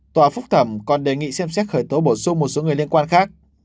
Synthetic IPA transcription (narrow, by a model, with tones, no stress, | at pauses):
t̪waː˨˩fʊ˦˥k͡p̚t̪ʰə˧˩mkɔ˨˩nɗe˨˩ŋḭ˧˨sɛ˧msɛ˦˥t̚xəː˧˩jt̪o˨˦ɓo˧˩sʊ˧ŋ͡mmo˨˩t̚so˨˦ŋ˨˩əjli˧ənkwaː˧nxaː˦˥k̚